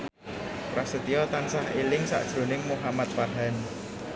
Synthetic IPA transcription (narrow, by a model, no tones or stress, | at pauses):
rasət̪ijɔt̪ansaɦelɪŋsa̰ʔd̥ʒ̥ɾo̤nɪŋmuɦamat̪̚farɦan